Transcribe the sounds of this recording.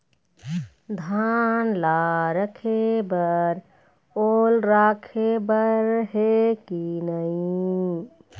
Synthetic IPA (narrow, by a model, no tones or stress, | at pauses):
d̪ʱanlaɾəkʰebəɾ | olɾakʰebəɾɦekinəi